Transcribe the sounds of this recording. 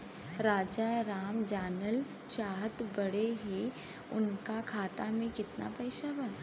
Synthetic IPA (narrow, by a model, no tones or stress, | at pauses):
ɾaːd͡ʒaɾaːmd͡ʒaːnəl | t͡ʃaːɦət̪bɐɽeɦe | ʊ̰nkakʰaːt̪amẽkɪt̪na̰pɛːʃaba